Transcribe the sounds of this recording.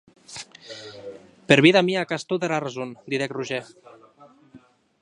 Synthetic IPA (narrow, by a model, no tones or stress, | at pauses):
peɾβiðamiakast̪uðeɾarezund̪iðekruʒe